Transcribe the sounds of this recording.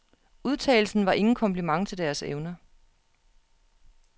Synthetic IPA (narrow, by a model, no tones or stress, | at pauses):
uð̞ˠt͡sʰɛ̰ːl̩sn̩ʋɑ̈ʔe̝ŋn̩kʰɒ̽mpʰlimɑ̈ŋt͡sʰe̝ld̥æɐseʊnɐ